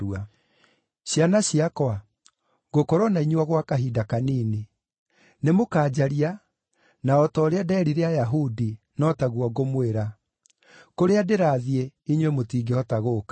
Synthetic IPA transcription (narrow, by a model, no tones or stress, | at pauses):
ua | ɕjanaɕiakɔa | ɡokoɾɔnaiɲwaɣwakaɦidakaniːni | nemokaːd͡ʑaɾia | naɔtɔːɾeadɛːɾiɾeajaɦudi | nɔtaɣwɔɡomweɾa | koɾeadeɾaːðieiɲwemotiːɡeɔtaɣoːka